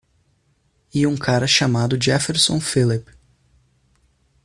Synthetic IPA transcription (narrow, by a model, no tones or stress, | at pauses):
iũkʰaɾɐʃamad̪ʊd͡ʒɪafeɾsõ̰filip